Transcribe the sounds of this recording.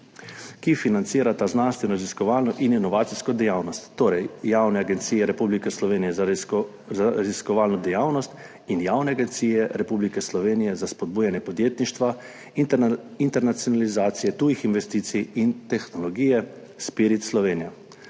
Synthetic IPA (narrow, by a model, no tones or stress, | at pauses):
kifinant̪siːɾat̪aznanst̪ʋɛnɔɾaziskɔʋaːlnɔʔininɔʋaːt̪siskɔd̪ɛjaːwnɔst̪ːoːɾɛjjaːwnɛaɡɛnt̪siːjɛɾɛpublikɛslɔʋeːnijɛ | zaɾaziskɔʋaːlnɔd̪ɛjaːwnɔst̪ | injaːwnɛaɡɛnt̪siːjɛɾɛpublikɛslɔʋeːnijɛzaspɔd̪̚buːjanjɛpɔd̪jeːt̪niʃt̪ʋa | int̪ɛɾnat̪sjɔnalizaːt̪sijɛt̪uːjixinʋɛst̪iːt̪sijint̪ɛxnɔlɔɡijɛspiɾit̪slɔʋeːnija